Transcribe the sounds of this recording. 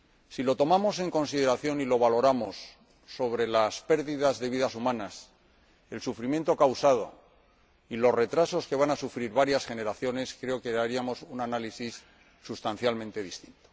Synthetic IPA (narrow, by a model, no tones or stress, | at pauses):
silo̞t̪o̞mamo̞se̞ŋko̞nsið̞e̞ɾaθjo̞nilo̞βalo̞ɾamo̞sː | o̞βɾe̞laspe̞ɾðiðazðe̞βiðasumãnas | e̞lsufɾimje̞nt̪o̞kawsað̞o̞ | ilo̞sre̞t̪ɾaso̞ske̞β̞anasufɾiɾβaɾjasxe̞ne̞ɾaθjo̞ne̞skɾe̞o̞ke̞aɾiamo̞sunanalisisː | ust̪anθjalmẽnt̪e̞ðist̪i̥nt̪o̥